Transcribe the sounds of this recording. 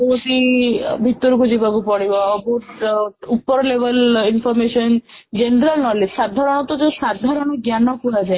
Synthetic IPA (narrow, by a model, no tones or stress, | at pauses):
bɔɦut̪ibʱit̪ːɔɾukud͡ʒibakupɔɽibɔːboʈupːɔɾɔleʋəlinpʰɔɾmesɔn | d͡ʒenɾəlnɔlesad̪ʱaɾɔɽ̃ɔt̪ɔd͡ʒesad̪ʱaɾɔɽ̃ɔɡjanɔkuad͡ʒae